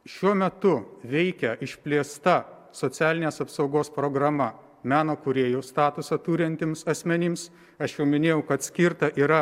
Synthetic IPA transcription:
ʃʲuɔmʲɛt̪ʊʋʲɛɪkʲɛʔɪʃʲpʲlʲeːst̪ɐ | soːsʲæːlʲɪnʲeːsɐpsɒʊɡoːspɾoːɡɾɐmɐ | mʲæːnoːkʊɾʲeːjuːst̪ɑːt̪ʊsɐt̪uːɾʲɛnʲt̪ʲɪmsɐsʲmʲɛnʲɪms | ɐʃjɛʊmʲɪnʲeːjɛʊkɐt̪sʲkʲɪɾt̪ɐʔiːɾɐ

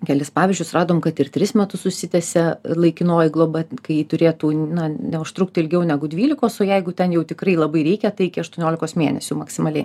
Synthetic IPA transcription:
kʲɛlʲɪspɑːʋʲɪzʲd͡ʒʲʊsrɑːd̪oːmkɐt̪ɪrt̪ʲɾʲɪsmʲɛt̪ʊsʊʃʲsʲɪt̪ʲɛsʲɛlˠɐɪkʲɪnoːjɪɡlˠoːbɐkɐɪjiːt̪ʊɾʲeːt̪uːnɐnʲɛʊʃt̪ɾʊkt̪ʲɪɪlʲɡʲɛʊnʲæɡʊd̪ʲʋʲiːlʲɪkoːsoːjɛɪɡʊt̪ʲɛnjɛʊt̪ʲɪkrɐɪlˠɐbɐɪɾʲɛɪkʲɛt̪ɐɪɪkʲɪɐʃt̪uɔnʲoːlʲɪkoːsmʲeːnʲɛsʲʊmɐksʲɪmɐlʲɛɪ

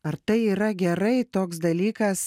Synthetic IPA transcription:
ɐɾt̪ɐɪiːɾɐɡʲɛɾɐɪt̪oːksd̪ɐlʲiːkɐs

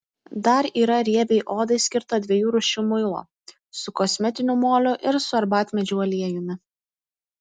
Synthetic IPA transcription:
d̪ɐɾiːɾɐɾʲiɛbʲɛɪʔoːd̪ɐɪsʲkʲɪɾt̪ɐd̪ʲʋʲiɛjuːɾʊʃʲʊmʊɪlˠo̰ː | sʊkɔsʲmʲɛt̪ʲɪnʲʊmoːlʲʊʔɪɾsʊɐɾbɑːt̪ʲmʲɛd͡ʒʲuɔlʲiɛjʊmʲɪ

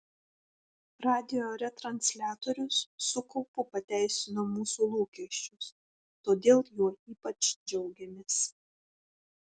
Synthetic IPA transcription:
ɾɑːd̪ʲɪjoːɾʲɛt̪ɾɐnʲsʲlʲæːt̪oːɾʲʊsːʊkɔʊpʊpɐt̪ʲæˑɪsʲɪnoːmuːsuːlˠuːkʲiɛʃʲt͡ʃʲʊs | t̪oːd̪ʲeːlˠjuɔiːpɐt͡ʃd͡ʒʲɛʊɡʲɛmʲeːs

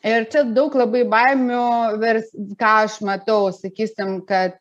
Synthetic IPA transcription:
ɪrt͡ʃʲɛd̪ɐʊklˠɐbɐɪbɐɪmʲʊʋʲɛrʲsʲkɑːɐʃmɐt̪ɐʊsɐkʲiːsʲɪmkɐt̪̚

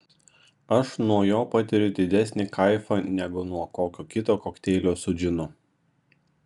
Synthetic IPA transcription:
ɐʃnuɔjoːpɑt̪ʲɪɾʲʊd̪ʲɪd̪ʲɛsʲnʲɪkʰɐɪfɐnʲɛɡʊnuɔkoːkʲoːkʲɪt̪oːkoːkt̪ʲɛːlʲoːsʊd͡ʒʲɪnʊ

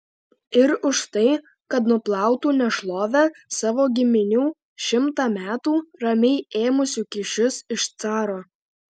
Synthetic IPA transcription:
ɪɾʊʃt̪ɐɪ | kɐt̪nʊplˠɑˑʊt̪uːnʲɛʃlˠoːʋʲæsɑːʋoːɡʲɪmʲɪnʲuː | ʃʲɪmt̪ɑːmʲæːt̪uːɾɐmʲɛɪeːmʊsʲuːkʲɪʃʲʊsɪʃt̪sɑːɾoː

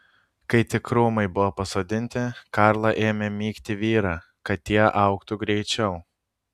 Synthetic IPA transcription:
kɐɪt̪ʲɪkɾuːmɐɪbʊʋopɐsoːd̪ʲɪnʲt̪ʲɪkɑɾlˠɐʔeːmʲemʲiːkt̪ʲɪʋʲiːɾɑ | kɐt̪ʲːiɛʔɐˑʊkt̪ʊɡɾʲɛɪt͡ʃʲɛʊ

